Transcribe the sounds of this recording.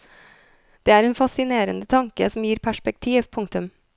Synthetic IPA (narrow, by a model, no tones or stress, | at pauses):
d̪̥eːæːɾɛːnfɑsɪneːɾənd̪ət̪ʰɑŋkəsɔm̩jiːɾpʰæʂpɛk̚t̪ʰiːʋpʰʊŋt̪ʉm